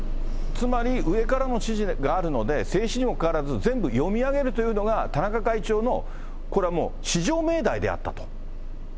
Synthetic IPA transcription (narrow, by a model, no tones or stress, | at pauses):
t͡sɨmaɾʲiɯ̟e̞kaɾano̞ɕiʑiɡaːɾɯ̟no̞d̪e̞se̞ːɕiɲ̟imo̞kaβaɾazɨzẽ̞mbɯ̟jo̞mʲiaɡe̞ɾɯ̟t̪o̞jɯ̟no̞ɡat̪anakakait͡ɕo̞ːno̞ | ko̞ɾe̞amo̰ːɕiʑo̞ːme̞ːd̪aid̪ḛa̰t̪ːat̪o̥